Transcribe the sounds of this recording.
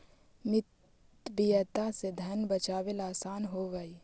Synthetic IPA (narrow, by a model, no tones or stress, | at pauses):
mɪt̪ | bijət̪ased̪ʱənbət͡ʃaːʋelaːsaːnɦoʋəi